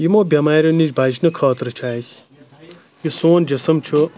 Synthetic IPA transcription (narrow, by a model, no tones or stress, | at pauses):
jimoːbʲɐmaːɾʲjonid͡ʒbaːt͡ʃnɨkʰaːt̪ɾɨt͡ʃʰaːsʲ | jisoːnd͡ʒɐsɐmt͡ʃʰu